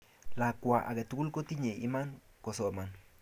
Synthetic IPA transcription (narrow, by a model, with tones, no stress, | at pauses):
la˨kʷa˨ʔa̰˨ɡe˨t̪u˦ku˦lko˦t̪i˦ɲe˨ḭ˦ma˦n | ko˨so˨ma˨n